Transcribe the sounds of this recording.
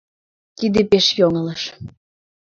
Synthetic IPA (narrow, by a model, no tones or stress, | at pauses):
t̪id̪epeʃjoŋə̆ləʃ